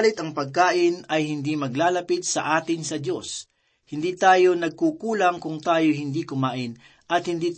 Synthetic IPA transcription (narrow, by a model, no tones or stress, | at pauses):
lɪt̪ɐŋpɐɡ̚kaːʔɪnɐjhɪnd̪imɐɡlaːlɐpid̪̚sɐ̰ʔaːt̪ɪnsɐd̪jo̞s | hɪnd̪iːt̪aːjo̞nɐɡ̚kukuːlɐŋkʊŋt̪aːjo̞ɦɪnd̪iːkʊmaːʔɪn | ʔɐt̪hɪnd̪iːt̪